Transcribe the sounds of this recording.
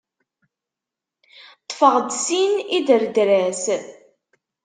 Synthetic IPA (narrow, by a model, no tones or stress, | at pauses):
t̪ˤːfəʁd̪siniðəɾd̪ɾæs